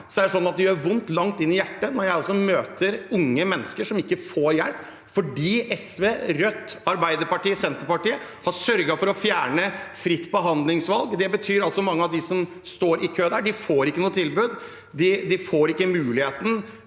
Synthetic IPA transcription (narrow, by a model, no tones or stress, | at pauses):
sɔd̪æʂɔnːɑt̪̚d̪ɪjøːɾʋʊnt̪lɑŋt̪ɪnːɪjæʈːənɔɾjæɪɑlsɔmøːt̪ʰəɾʊŋːəmɛnːəskəʂɔmɪkːəfoːɾjɛlp | fɔɖiːʔɛsʋeːɾœt̪ːɑɾbæɪd̪əɾpɑʈiːəsɛnt̪əɾpɑʈiːəhɑsœɾɡɑfɔɾɔfjæːɳəfɾɪt̪ːbəɦɑnd̪lɪŋsʋɑlɡd̪ɛbət̪ʰyːɾɑlsɔmɑŋːəɑʋd̪ɪsɔm | st̪oːɾʔɪkʰøːd̪æːɖɪfoːɾɪkːənuːət̪ʰɪlbʉd̪ | d̪ɪd̪ɪfoːɾɪkːəmʉːlɪheːt̪n̩